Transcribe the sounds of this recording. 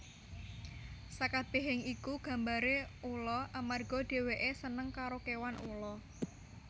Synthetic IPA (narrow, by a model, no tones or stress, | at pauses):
sakab̥e̤ɦɪŋikuɡ̥ä̤mbaɾeulɔʔamarɡ̥ɔ̤ɖ̥e̤weʔesənəŋkaɾokewanulɔ